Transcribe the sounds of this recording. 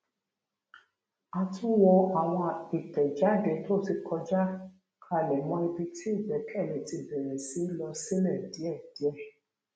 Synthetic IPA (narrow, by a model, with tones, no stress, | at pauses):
a˧tũ˦wɔ˧a˨w̃ɔ̃˧i˨tɛ˨d͡ʒa˨˦˨dɛ˨˦to˦˨ti˧kʰɔ˧d͡ʒa˦ | kʰa˦˧˨lɛ˨mɔ̃˧˦i˧bi˧tʰi˦i˦˨bɛ˨˦kʰɛ˦˨lɛ̃˨ti˧bɛ˨ɾɛ˨si˨˦lɔ˧si˦lɛ˦˨di˨˦ɛ˦˨d̥i˨˦ɛ˦˧˨